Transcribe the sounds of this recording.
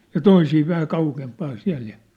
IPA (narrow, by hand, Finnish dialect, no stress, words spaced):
jɑ toisiː ʋæhæ kɑukempɑːn siæ̝l jɑ